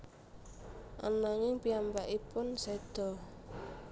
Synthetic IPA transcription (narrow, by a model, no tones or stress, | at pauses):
ʔa̰naŋɪŋpiambaʔipʊnsed̪̥ɔ̤